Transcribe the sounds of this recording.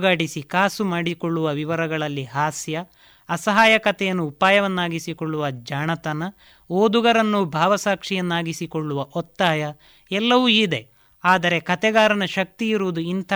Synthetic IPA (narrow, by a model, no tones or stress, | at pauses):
ɡaːɽisikaːsumaːɽikɔɭːuʋɐʋiʋɐɾɐɡɐɭɐlːiɦaːsjɐː | sɐɦaːjɐkɐt̪ɛjɐnːuːpaːjɐʋɐnːaːɡisikɔɭːuʋɐd͡ʒaːɳɐt̪ɐnɐ | oːd̪uɡɐɾɐnːubʱaːʋɐsaːkʂijɐnːaːɡisikɔɭːuʋɐʔɔt̪ːaːjɐ | ɛlːɐʋuid̪e̞ | aːd̪ɐɾe̞kɐt̪ɛɡaːɾɐnɐʃɐk̚t̪iiɾuʋːd̪uint̪ʰɐ